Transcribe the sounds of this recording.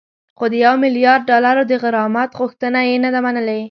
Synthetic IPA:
xod̪əjawmɪlijɑɾ̚ːɑlaɾod̪əɣəɾɑmat̪ɣʊxt̪ənajenad̪amanəle

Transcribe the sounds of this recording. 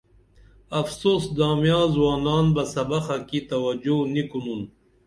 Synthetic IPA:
ɐfsoːsd̪ɑːmjɑ̃ːzwɑːnɑːnbɐsɐbaxakit̪ɐwɐd͡ʒonikunun

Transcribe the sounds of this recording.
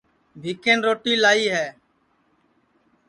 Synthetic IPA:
bʱiːkẽːnɾoːʈiːlaːiːɦɛː

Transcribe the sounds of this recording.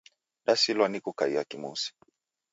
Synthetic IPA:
ɗasilwanikukaiakimṵsi̥

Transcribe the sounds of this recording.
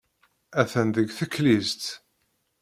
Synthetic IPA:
æθənðəɡθəkːlizt̪

